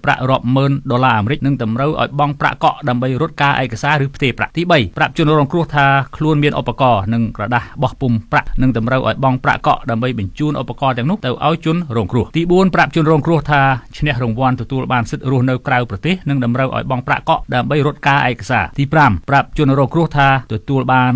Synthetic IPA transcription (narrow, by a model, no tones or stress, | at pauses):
pra̰ʔrŏəp̚məːnɗolaːʔaːmeɾɨc̚nɨŋɗɑmrəwʔa̰ɔjɓɑŋpra̰ʔkɑʔɗaəmɓəjrʊ̆ət̪̚kaːʔa̰ɛkasaːɾɨːpʰt̪eːpra̰ʔt̪iːɓəjprap̚t͡ɕʊ̆ənrɔːŋkrʊ̆əht̪ʰaːkʰluənmiənʔopːakɑːnɨŋkrɑɗahɓɑhpumpra̰ʔnɨŋɗɑmrəwʔa̰ɔjɓɑŋpra̰ʔkɑ̰ʔɗaəmɓəjɓɑɲt͡ɕuːnʔopːakɑːt̪ɛ̆əŋnʊ̆əht̪ɨwʔa̰ɔjt͡ɕʊənrɔːŋkrʊ̆əht̪iːɓuənprap̚t͡ɕʊ̆ənrɔːŋkrʊ̆əht̪ʰaːt͡ɕʰnɛ̆əhrʊŋʋŏənt̪ɔt̪uəlɓaːnsɨt̪̚rʊəhnɨwkrawprɑt̪eːhnɨŋɗɑmrəwʔa̰ɔjɓɑŋpra̰ʔkɑʔɗaəmɓəjɾʊ̆ət̪̚kaːʔa̰ɛkasa̰ːt̪iːpramprap̚t͡ɕʊənrɔːŋkrʊ̆əht̪ʰaːt̪ɔt̪uəlɓaːn